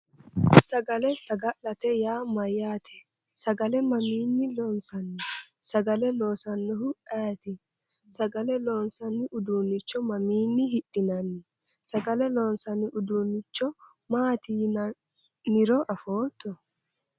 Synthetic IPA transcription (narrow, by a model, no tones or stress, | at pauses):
sɐɡɐlɛsɐɡɐlɐt̪ɛjaːmɐjːaːt̪ʰɛ̥ | sɐɡɐlɛmɐmiːnːɪlɔnsɐnːɪsɐɡɐlɛlo̞ːsɐnːʊɦʊʔaːt̪ɪ | sɐɡɐlɛloːnsɐnːɪʔʊd̪uːnːɪt͡ʃːɔmɐmiːnːɪhɪɗːɪnɐnːɪ | sɐɡɐlɛloːnsɐnɪʔʊd̪unːɪt͡ʃːɔ | maːt̪ʰiːnɐ | nːɪɾɔʔɐfoːt̪ːɔ